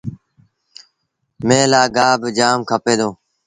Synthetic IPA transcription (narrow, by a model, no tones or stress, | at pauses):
mẽːlaːɡaːbd͡ʒaːmkʰəpeːd̪oː